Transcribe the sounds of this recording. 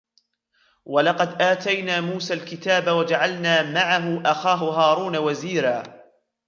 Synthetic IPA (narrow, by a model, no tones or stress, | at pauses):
walɑqɑd̪ʔaːt̪ajnaːmuːsaːlkɪt̪aːbawad͡ʒaʕalnaːmaʕaɦʊʔaxaːɦʊɦɑːɾuːnawaziːɾaː